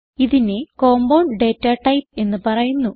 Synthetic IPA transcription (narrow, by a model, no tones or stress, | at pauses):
iðineko̞ːmbɐwɳɖe̞ːtːɐʈɐjp̚e̞nːɨpɐrɐjunːu